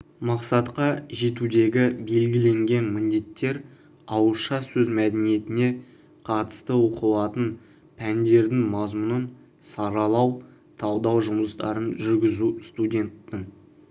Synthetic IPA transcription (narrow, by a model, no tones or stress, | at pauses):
mɑqsɑt̪qɑʒe̞t̪ud̪e̞ɡʲɪbe̞lɡʲɪle̞ŋɡʲe̞nmɪnd̪e̞t̪ːe̞ɾ | ɑwəʃɑsɵzmæd̪enije̞t̪ɪne̞ | qʰɑt̪ə̥st̪əwo̞qəlˠɑt̪ən | pʰænd̪e̞ɾd̪ɪŋmɑzmənən | sɑɾɑlˠɑw | t̪ʰɑwd̪ɑwʒʊməst̪ɑ̰ɾənʒʏɾɡʲɪzust̪udʲe̞nt̪ːɪŋ